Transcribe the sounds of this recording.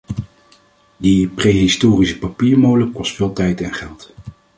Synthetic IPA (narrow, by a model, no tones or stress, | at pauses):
diprejɦɪstoːrisə̥papiːɹmowləkɔstfɪːlˠtɛjtɛnχɛlˠt